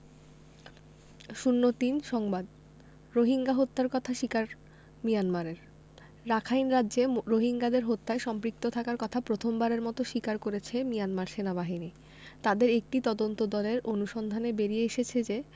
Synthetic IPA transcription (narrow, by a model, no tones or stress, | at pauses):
ʃunːot̪inʃɔŋbad̪ | ɾoɦiŋɡaɦot̪ːaɾkɔt̪ʰaʃikaɾ | mijanmaɾeɾ | ɾakʰajnɾadːd͡ʑeɾoɦiŋɡad̪eɾɦot̪ːaeʃɔmpɾik̚t̪ot̪ʰakaɾkɔt̪ʰapɾot̪ʰombaɾeɾmɔt̪oʃikaɾkoɾet͡ɕʰemijanmaɾʃenabaɦini | t̪ad̪eɾek̚ʈit̪ɔd̪ont̪od̪ɔleɾonuʃɔnd̪ʱanebeɾieeʃet͡ɕʰed͡ʑe